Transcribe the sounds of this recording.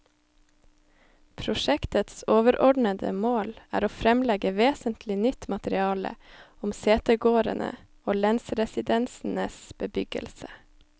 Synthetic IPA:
pʰɾʊʃɛkt̪ət̪soːʋəɾɔɖɳəd̪ə̰moːlæ̰ːɾoːfɾɛmlɛɡəʋeːsənt̪ʰlɪnʏt̪mɑt̪əɾɪɑːlə̰ʊmseːt̪əɡoːɾə̰nə̰ | oːlɛnsɾɛsɪd̪ɛnsn̩əsb̥əbʏɡə̰lsə

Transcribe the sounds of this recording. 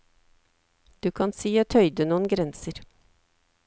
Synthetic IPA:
d̪̥ʉːkʰɑnsiːoːt̪hœʏd̪ənuːənɡɾɛnsəɾ

